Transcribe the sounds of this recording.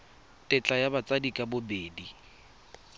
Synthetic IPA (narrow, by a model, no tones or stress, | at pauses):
tʼɪt͡ɬʼajabat͡sʼadikʼabʊbeːdi